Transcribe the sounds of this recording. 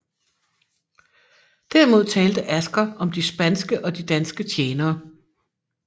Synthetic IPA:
d̥æɐmo̝ð̞̰ˠt͡sʰɛːld̥əʔæsɡ̥ɐʔɒ̽md̥isb̥ænsɡ̥əʔɒ̽d̥id̥ænsɡ̥ət͡ɕʰjeːnɐː

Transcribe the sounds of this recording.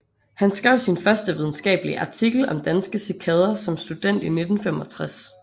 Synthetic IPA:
hænsɡ̥ʁɛʊ̰sinfɶɐsd̥əʋið̞ˠn̩sɡ̥ɛ̰ːb̥əliʔɑ̈t͡sʰiɡ̥l̩ɒ̽md̥ænsɡ̥əsikʰɛðˠɐsɒ̽msd̥ud̥en̰d̥ine̝d̥n̩femɒ̽t͡sʰʁas

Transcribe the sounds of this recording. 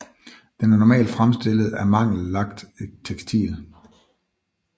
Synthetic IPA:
d̥enæɐnɒmɛ̰ːld̥fʁamsd̥e̝l̰əð̩ˠæɐmɑ̈ŋ̰l̩ːɑ̈ɡ̥̚d̥t͡sʰeɡ̥st͡sʰḭːl̩ˠ

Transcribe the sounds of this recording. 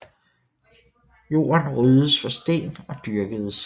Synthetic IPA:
jo̝̰ːɐnʁyːðˠəsfɒ̽sd̥e̝̰ːnɒ̽d̥yɐɡ̥əð̞ˠəs

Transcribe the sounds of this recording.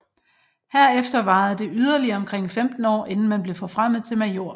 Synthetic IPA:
hæɐ̰efd̥ɐʋɑ̈ːð̩ˠd̥e̝ʔyð̞ˠɐliɐɒ̽mkʰʁeŋ̰femd̥n̩ɒ̰ːʔe̝nn̩mænb̥le̝fɒ̽fʁam̰ð̩ˠt͡sʰe̝lmæjo̝ɐ̰

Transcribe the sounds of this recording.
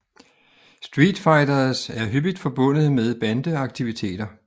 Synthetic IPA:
sd̥ʁiːd̥fɑ̈ɪdɐsæɐɦyb̥id̥fɒ̽b̥ɔ̽n̰ð̩ˠmeðˠb̥ænd̥əɑ̈ɡ̥̚t͡sʰiʋit͡sʰe̝̰ːd̥ɐ

